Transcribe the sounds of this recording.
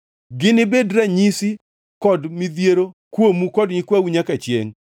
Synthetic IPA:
ɡɪnɪbedɾaɲisi | kɔdmɪd̪jeɾokwomukɔdɲɪkwawiɲakat͡ʃjḛŋ

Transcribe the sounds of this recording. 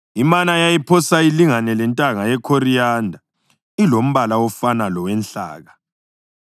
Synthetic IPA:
imanajajipʰɔsailiŋanɛlɛntʼaŋajɛkʰorijaːndʱa | ilom̩βalaɔfanalɔwɛnɬa̰ːɣa

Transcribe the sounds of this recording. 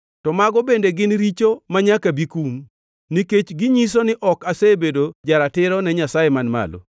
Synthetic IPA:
tɔmaɡɔbendeɡɪnɾit͡ʃomaɲakabikum | niket͡ʃɡɪɲis̬onɪʔɔkasebedod͡ʒaɾatɪɾɔnɛɲasajemanma̰lo̰

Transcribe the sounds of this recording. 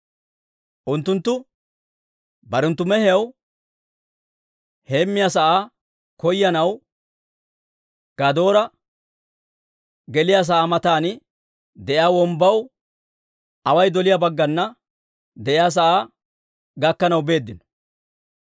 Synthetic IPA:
ʔʊnt̪ːʊnt̪ːʊ | bɐɾɛnt̪ːʊmɛhɪjɐw | heːmːɪjaːsɐʔaː | kɔjːɐnɐw | ɡ̥ɐd̪o̞ːɾɐ | ɡɛlɪjaːs̬ɐʔaːmɐt̪aːnɪ | d̪ɛʔjaːwɔmbɐw | ɐwɐjd̪ɔlɪjaːbɐɡːɐnːɐ | d̪ɛʔɪjaːs̬ɐʔaː | ɡɐkːɐnɐwbe̞ːd̪ːɪnɔ̥

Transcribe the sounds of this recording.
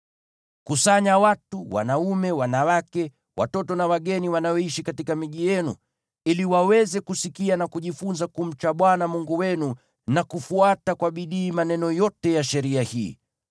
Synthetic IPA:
kusaɲawatuwa̰naumɛwanawakɛ | wa̰tɔtɔnawaɠɛniwanaɔiʃikatikamiʄijɛnṵ | iliwawɛzɛkusikianakuʄifunzakum̩t͡ʃaɓwanamuŋɡuwɛnu | nakufuatakwaɓiɗiːmanɛnɔjɔtɛjaʃɛɾiahḭː

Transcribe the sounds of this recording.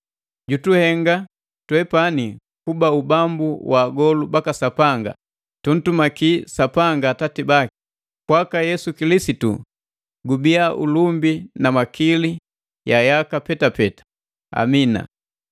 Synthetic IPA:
ɟutuhɛŋɡa | twɛpani | kubaubambuwʔaːɡɔlubakasapaŋɡa̰ | tun̩tumakisapaŋɡatatibaki̥ | kwakajɛsukilisitṵ | ɡubiaʔṵlumbinamakili | jajakapɛtapɛtḁ | a̰mina̰

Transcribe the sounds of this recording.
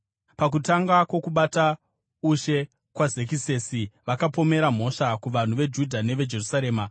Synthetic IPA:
pak̬utaŋɡakwo̞kuɓata | uʃe̞ | kwazek̬ise̞siʋakapo̞me̞ɾam̤o̞ʃakuʋan̤uʋe̞d͡ʒudʱane̞ʋe̞d͡ʒe̞rusaɾe̞ːma

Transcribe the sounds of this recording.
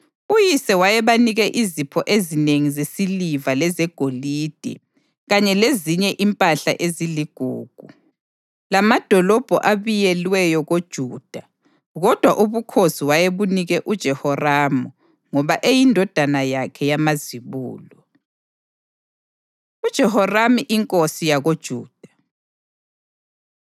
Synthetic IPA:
ujisɛwajɛβaniɣɛʔizipʰɔʔezineŋizesilivalɛzɛɡ̥ʱoliːd̥ʱɛ̰ | ɣaɲɛleziɲɛʔimpʼaɬa̰ʔeziliɡ̥ʱṵːɡ̥ʱu | lamad̥ʱɔlɔb̥ʱɔ̰ʔaβijɛlwɛjɔɣod̥ʒ̥ʱuːd̥ʱa | ɣɔd̥ʱwaʔuβukʰosiwajeβuniɣɛʔud̥ʒ̥ʱɛhɔramu | ŋɔβaʔejindʱɔd̥ʱanajakʰɛjamaziβṵːlɔ | ud̥ʒ̥ʱɛhɔramiʔiŋkʼosijaɣod̥ʒ̥ʱuːd̥ʱḁ

